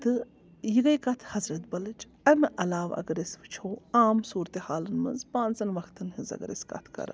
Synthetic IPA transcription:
t̪ɨ | jiɡɐjkɐt̪ʰhɐzɾɐt̪̚bɐlɨt͡ʃ | ɐmeʔɐlaːʋɐ̰ɡɐɾesʋɨt͡ʃʰoːaːmsuːɾt̪ehaːlɨnmɐ̰nzpãːnt͡sɐnʋɐkʰt̪ʰɨnhizɐ̰ɡɐɾḛskɐ̰t̪ʰkɐ̰ɾɐ̰

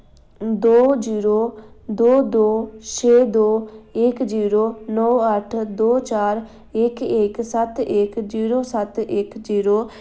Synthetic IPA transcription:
d̪oːd͡ʒiːɾoːd̪oːd̪oːt͡ʃʰeːd̪oːɪkd͡ʒiːɾoːnɔːəʈʰd̪oːt͡ʃaːɾ | ɪkɪksət̪ɪkd͡ʒiːɾoːsət̪ɪkd͡ʒiːɾoː

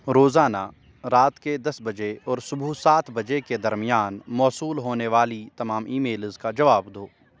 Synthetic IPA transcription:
ɾoːzaːna | ɾaːt̪ked̪ɐsbɐd͡ʒeɔːɾsʊbʱusaːt̪ʰbɐd͡ʒeked̪ɐɾmɪjaːnmɔːsuːlɦoːneʋaːlit̪ɐmaːmiːmeːlzkad͡ʒɐʋaːbd̪oː

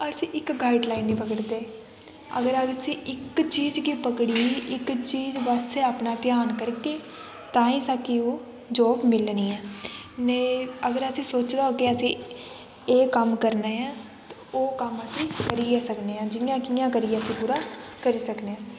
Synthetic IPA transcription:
əsĩːʔɪkɡaːɪɖlaːinːiːpəkəɽd̪eː | ə̰ɡəɾəsĩːʔɪkt͡ʃiːd͡ʒkiːpəkɽiːiːʔɪkt͡ʃiːd͡ʒʋaːseːaːpnaːt̪ɪjaːnkəɾkeː | t̪ãːĩːsaːkiːoː | d͡ʒoːbmɪlnĩːɛːneəɡəɾəsĩːsoːt͡ʃd̪aːoːkeəsĩː | eːkəmkəɾneːãː | t̪ | oːkəməsĩːkəɾiːaːsəkneːãːd͡ʒɪnjãːkɪjãːkəɾiːjãːəsĩːbʊɾaːkəɾiːsəkneːãː

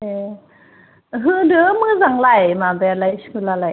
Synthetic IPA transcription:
e | ɦɯːdɯmɯːzaŋlajmabɛlajshɯlala

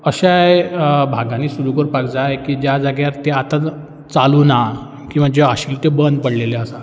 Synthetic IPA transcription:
əɕajbʱaɡãniːsuɾukəɾpakd͡zajkiːd͡ʑjad͡zaɡjaɾt̪eat̪a | t͡saluːna | kĩw̃ʋ̤ad͡ʑeaɕiːlt̪ebənd̪̚pəɽleleəsa

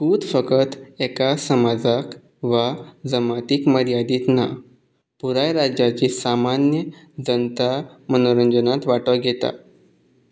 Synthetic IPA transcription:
kuːd̪fəkət̪ɛkasəmad͡zak | ʋad͡zəmat̪iːkməɾjad̪iːt̪na | puɾajɾad͡ʑjat͡ɕiːsamanjə | d͡zənt̪amənoɾəɲd͡ʑənat̪ʋaʈʋəɡʱet̪a̰

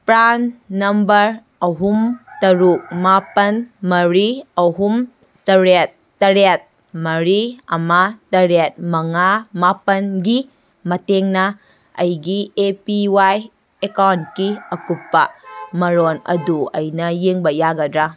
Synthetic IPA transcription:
pɾanːɐmbɐɾ | ɐɦumtɐɾuk̚mapɐnmɐɾiɐɦum | tɐɾet̚ːɐɾet̚ | mɐɾiɐ̰matɐɾet̚mɐŋamapɐnɡi | mɐteŋnɐ | ɐjɡiepiwaj | ekawnkiɐkupːɐmɐɾonɐ̰duɐjnɐjeŋbɐjaɡɐdɾa

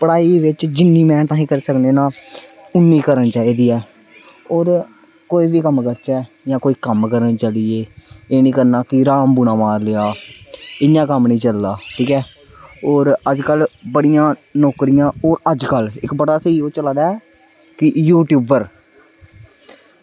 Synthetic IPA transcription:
pəɽaːiːʋɪt͡ʃd͡ʒɪnːiːmɛ̃ːt̪ãːɦĩːkəɾisəkneːnãː | ʊnːiːkəɾənt͡ʃaːiːd̪iːɛː | oːɾ | koːiːʋiːkəmkəɾt͡ʃɛː | jãːkoːiːkəmkəɾənt͡ʃaːliːeːeːnĩːkəɾnaːkɪɾaːmbuːnãːmaːɾleːaː | ɪjãːkəmnĩːt͡ʃəlːaːʈʰiːkɛː | oːɾəd͡ʒkəlbəɽɪjãːnoːkɾɪjãːoːɾəd͡ʒkəlɪkbəɽaːseiːoːt͡ʃəlaːd̪a | kɪjuːʈjuːbəɾ

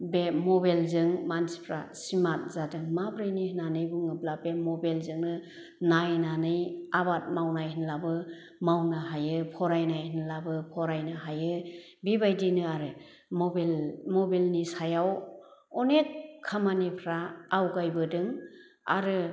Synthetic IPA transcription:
bemɔbelzɯŋmansi̥pʰɾasimat̚zadɯŋmabɾɯjnihnanɯjbɯŋɯblabemɔbelzɯŋnɯ | najnanɯjabat̚mawnajhinlabɯ | mawnɯɦajɯpʰɔɾajnajhinlabɯpʰɔɾajnɯɦajɯ | bibajdinɯaɾɯ | mɔblmɔbilnisajawɔnekʰːamanipʰɾaːwɡajbɯdɯŋ | a̰ɾɯ

